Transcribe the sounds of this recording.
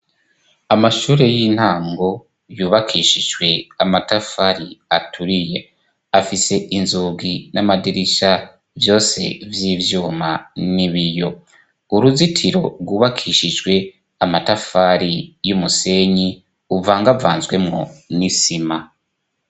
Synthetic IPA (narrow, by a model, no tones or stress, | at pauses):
amaʃuːɾe̞jiːn̥haːŋɡo̞ | juːβakʰiːʃiʒwe̞amatafaɾiatʰuɾije̞ | afise̞ʔinzuːɡinamadiɾiʃa | vjo̞ːse̞̰vjiːvjuːmaniβijo̞ | uɾuzitʰiɾo̞ɾɡuːβakʰiːʃid͡ʒɡwe̞ | amatafaɾijumuse̞ɲi | uvaːŋɡavaːnzɡwe̞mŋo̞̰nisima